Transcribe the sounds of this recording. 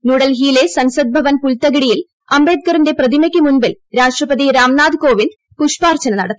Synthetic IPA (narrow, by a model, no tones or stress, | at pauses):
nuːɽɐlɦiːle̞sɐnsɐd̪̚bʱɐʋɐnpult̪ɐɡiɽijil | ɐmbe̞ːd̪̚kɐɾinde̞prɐðimɐkʲːɨmunbilɾaːʂʈrɐpɐðiɾaːmnaːd̪ko̞ːʋin | puʂpaːrt͡ɕɐnɐnɐɽɐt̪ːi̥